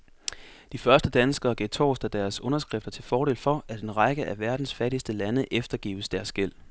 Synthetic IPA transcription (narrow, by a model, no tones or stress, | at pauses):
d̥ifɶɐsd̥əd̥ænsɡ̥ɐːɡ̥et͡sʰɒ̰ːsd̥æd̥æɐsɔ̽nɐsɡ̥ʁɛfd̥ɐt͡sʰe̝lfɒːɾe̝̰ːlfɒ̽ʔæd̥enʁɑ̈ɡ̥əʔæʋæɐd̥n̩sfæɾ̥isd̥əlænəʔefd̥ɐɡ̥ḭːʊəsd̥æɐsɡ̥el̰